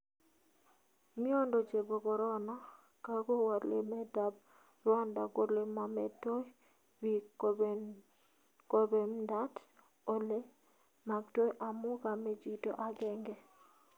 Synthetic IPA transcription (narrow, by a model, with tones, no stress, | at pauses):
mɪ˦o˦ndo˨t͡ʃe˨bo˨ɡɔ˨ɾɔ˦nɔ˦ | ka˦ɡo˦wa˨ɾlḛ˨mɛ˦da˨b̚ | rwɔ˦nda˨ko˨ɾle˨ma˨mɛ˨to˦ | wi˦ | ko˦be˨mda˦t | o˦le˦ | ma˨ɡto˦jʔa˨mʊ˦ɡa˨mɛ˦d͡ʒi˦to̰˨ʔa˨ɡɛ˦ŋɡɛ˦